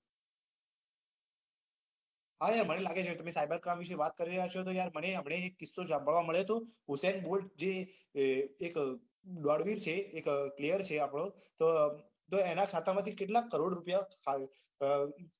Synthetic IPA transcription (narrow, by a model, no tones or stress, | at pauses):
ɦajaɾmənelaɡet͡ʃʰet̪əmesajbaɾkɾamʋiʃ̬eʋat̪̚kəɾiɾəɦjat͡ʃʰot̪̬ojaɾməneəmɳ̃eːkːisːod͡ʒãmbʱəɭʋaməɭet̪oɦusɛɳbolʈd͡ʒeː | k | d̪waɽʋiɾt͡ʃʰeːkklijəɾt͡ʃʰeapɽ̃o | t̪o | t̪oenakʰat̪amãt̪ʰikeʈlakːəɾoɽɾupjakʰ